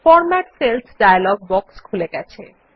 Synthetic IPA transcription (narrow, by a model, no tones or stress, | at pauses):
fɔɾmaʈselt̪ʰɖajlɔɡ̚bɔkskʰuleɡɛt͡ɕʰe